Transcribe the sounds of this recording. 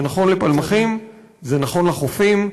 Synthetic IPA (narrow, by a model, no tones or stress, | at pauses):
naχo̞nlepalmaχim | zenaχo̞nlaχofim